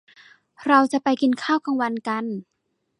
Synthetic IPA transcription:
ɾa˧wt͡ɕa˧˩ʔpa˧jki˧nkʰaː˥˩wka˧ŋwa˧nka˧n

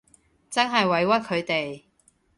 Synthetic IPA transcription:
t͡sɐ˥nɦɐ˨jwɐ˨˧jwɐ˥t̚kʰɵ˨˧ɥt̪e˨j

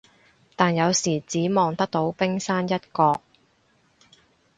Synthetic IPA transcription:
t̪aː˨njɐ˨˧wsiː˨˩t͡siː˨˥mɔː˨ŋt̪ɐ˥k̚t̪o˨˥wpɪ˥ŋsaː˥njɐ˥t̚kɔː˧k̚

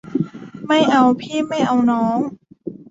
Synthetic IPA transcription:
ma˥˩jʔa˧wpʰiː˥˩ma˥˩jʔa˧wnɔː˦˥ŋ

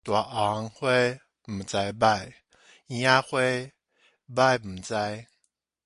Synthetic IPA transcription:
t̪wa˨˩ʔa˨˦ŋhwe˥˦ | m̩˨˩t͡sa˧˦jba˥˧˨j | i˧˦a˦xwe˥˦˧ | ba˥˧jm̩˨˩t͡sa˧j

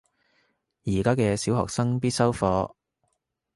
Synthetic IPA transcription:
jiː˨˩kaː˥kɛː˧siː˨˥whɔ̰ː˨k̚sɐ˥ŋpiː˥t̚sɐ˥wfɔː˨˧

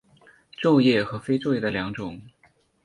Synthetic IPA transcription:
ʈ͡ʂo˥˧ʊjɛ˥˩xɤ˧˥fe˥ɪʈ͡ʂo˥˧ʊjɛ˥˩d̪ə˩ljɑ˧˥ŋʈ͡ʂʊ˨˩˦ŋ

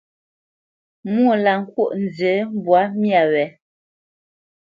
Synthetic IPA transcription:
mwu˦o˦˨la˨ŋ̩˨kwo˦ʔn̩˨d͡zə˨˦m˦bwa˨˦mja˨wɛ˨˦

